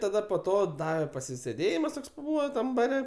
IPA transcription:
tɐˈdɐ poː ˈtoː ˈdɑːʋʲɛ pɐsʲɪsʲeːˈdʲeːjɪmɐs ˈtoːks pɐˈbuːʋɐ ˈtɐm bɐˈrʲɛ

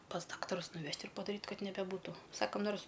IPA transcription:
pɐs ˈdɑːktɐrʊs nʊˈʋʲɛʃʲtʲ ɪr pɐdɐˈrʲiːtʲ ˈkɐt nʲɛbʲɛˈbuːtʊ ˈsɑːkɐm ˈnoːrs

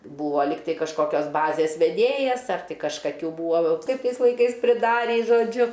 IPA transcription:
ˈbuːʋoː ˈlʲiːk ˈtɐɪ kɐʃkoːˈkʲoːs ˈbɑːzʲeːs ʋʲɛˈdʲeːjɛs ɐr kɐʃkɐˈkʲuː ˈbuːoː ˈkɐɪp ˈtɐɪs lˠɐɪˈkɐɪs pʲrʲɪˈdɑːrʲiː ʒoːˈd͡ʒʲʊ

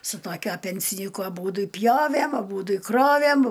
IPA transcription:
sʊ toːˈkʲuɔ pʲɛnʲsʲɪˈnʲiːkʊ ɐˈbuːdʊ ɪ ˈpʲjoːʋʲæm ɐˈbuːdʊ ɪ ˈkroːʋʲæm

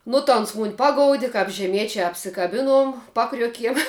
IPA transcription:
nʊ tɐ ˈoːns mʊnʲ ˈpɑːɡoːʊdʲɪ kɐp ʒʲɛˈmʲiɛt͡ʃʲɛ ɐpʲsʲɪkɐˈbʲɪnuɔm ˈpɑːkrʲuɔkʲiɛm

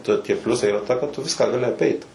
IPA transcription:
tɐ tʲiɛ ˈpʲlʲʊsɐɪ iːˈrɐ tɐ kɐt ˈtʊ ˈʋʲɪskɑː ɡɐˈlʲɪ ɐˈpʲɛɪt

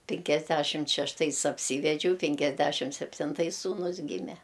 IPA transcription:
pʲɪŋʲkʲɛzʲˈdʲæʃʲɪmt ʃʲɛʃˈtɐɪs ɐpʲˈsʲiːʋʲɛd͡ʒʲɛʊ pʲɪŋʲkʲɛzʲˈdʲæʃʲɪm sʲɛpʲtʲɪnˈtɐɪs suːˈnʊs ˈɡʲiːmʲɛ

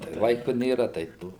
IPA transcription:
tɐɪ ˈlˠɐɪkʊ ˈnʲeːrɐ ˈtɐɪ ˈtoː

